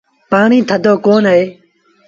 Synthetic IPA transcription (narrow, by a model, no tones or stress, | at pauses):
paːɳĩːt̪ʰəd̪oːkoːnəɦeː